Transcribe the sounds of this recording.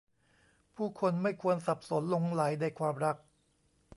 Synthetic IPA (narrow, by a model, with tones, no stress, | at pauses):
pʰuː˥˩kʰo˧nma˥˩jkʰu˧ənsa˨˩p̚so˩˦nlo˧ŋla˩˦jdaː˥˧˩jkʰwaː˧mɾa˦˥k̚